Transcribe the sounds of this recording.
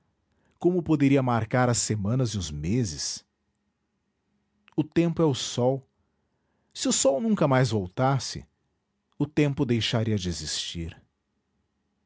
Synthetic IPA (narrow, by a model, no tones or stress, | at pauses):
kõmʊpod̪eɾiɐmaɾkaɾɐsːemɐ̃nɐzɪʊzmezɪs | ʊt̪ẽmpʊɛʊsɔw | sɪʊsɔwnũkɐmajzvowt̪asɪ̰ | ʊt̪ẽmpʊd̪ejʃaɾiɐd͡ʒɪezist͡ʃiɾ